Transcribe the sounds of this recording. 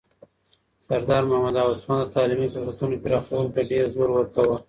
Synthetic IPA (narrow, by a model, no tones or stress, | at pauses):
saɾd̪ɑɾmahamad̪ɑwassmɑnd̪ət̪ɑːlimipəzat̪unokeɾɑxawulot̪aɖeɾzoɾwəɾkawə